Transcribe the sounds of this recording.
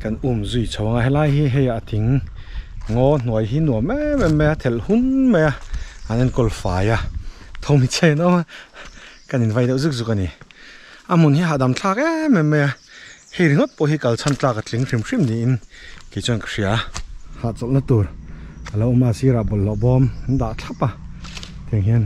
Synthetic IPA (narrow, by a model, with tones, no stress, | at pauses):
kɐ˧˨nʔu˧˨mzu˧jt͡sʰɔ˨wa˧ŋa˧˨ɦɛ˧˥la˧jɦi˦ɦɛ˧ja˨ʔt̪ʰi˨˦ŋː | ɔ˦n̥u˨ə˨jɦiː˦nu˨ɐmɛ˦mɛ˨mːɛ˧ja˧t̪ʰɛ˨lhu˦nmɛ˧ja˧ʔa˨nɛ˧˨nkɔ˧lfaː˨ja˧˨t̪ʰɔ˧wmi˧˨t͡sʰa˥˧jnɔ˦ma˧ | ka˧ni˨nva˧jdɛ˧˨wzi˦k̚zu˧˨ka˧˨ni˨ | ʔa˧m̥u˨nhi˦ɦa˧˨ʔda˨mt͡ɬʰa˥˧kɛ˦mɛ˨mːɛ˧ja˧ | hɛ˧jɾi˨ŋɔ˦t̪̚pɔ˧˨ɦi˦ka˨lt͡sʰa˥˨nt͡ɬaː˧ka˧t͡ɬi˨˦ŋri˧˨mʂi˥˨mdi˨ʔi˧˨nke˨jt͡sɔ˧˨nkḁ˨ʂi˧˨a˦ha˨t͡sɔ˨ʔna˦t̪u˨˩ɾʔa˨la˧˦wma˧si˧ɾa˨bɔ˨llɔ˨ʔbɔ˧˦m˨n˦da˨ʔt͡ɬʰa˦˥pa˧˨ | t̪ʰi˨ŋɦi˧˨n